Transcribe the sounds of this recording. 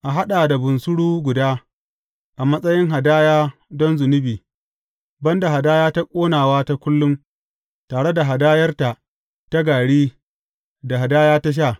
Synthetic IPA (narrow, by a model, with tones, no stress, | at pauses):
ʔa˨ɦa˦ɗaː˨da˨bʊ˨nsʊ˦ɽuː˦ɡʷʊ˨daː˦ | ʔa˨mɐ˦sʼɐ˦jɪ˦ŋɦa˨daː˦jaː˦dɔ˦nzʊ˨nɪ˦biː˨ | bɐ˦nda˨ɦa˨daː˦jaː˦ta˦kʷʼoː˦naː˨waː˦ta˦kʷʊ˦lːʊ˦m | taː˨ɽe˦da˨ɦa˨daː˦jɐ˦rta˨ | ta˦ɡaː˨ɽiː˦ | da˨ɦa˨daː˦jaː˦ta˦ʃ̬aː˦˨